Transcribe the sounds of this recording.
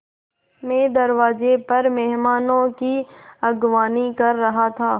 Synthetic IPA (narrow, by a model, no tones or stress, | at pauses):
mẽːd̪ɐɾʋaːzepɐɾmɛɦmaːnõkiɐɡʋaːnikɐɾːɐɦat̪ʰaː